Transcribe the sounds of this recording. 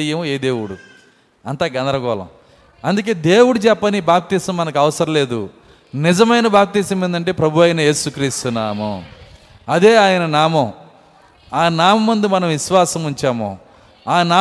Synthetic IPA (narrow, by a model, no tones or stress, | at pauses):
jɐmeːd̪eːwuɽu | ɐnt̪aːɡɐnd̪ɾɐɡɔːlɐ̰m | ɐnd̪uk̬e̞ːd̪eːwuɽut͡ʃɛpːɐnibaːp̚t̪iːsɐmːɐnɐk̬iɐʋɐsɐɾɐle̞ːd̪u | nizɐmɐjnɐbaːp̚t̪iːsɐmend̪ɐɳʈ̬eːpɾɐbʱuʋɐjnɐje̞ːsukɾiːst̪unaːmɐ̰ | ɐd̪e̞ːaːjɐnɐnaːmɐ | aːnaːmɐmund̪imɐnɐ̃mʋiʃʋaːsɐmuɲt͡ʃaːmo̰ː | aːnaː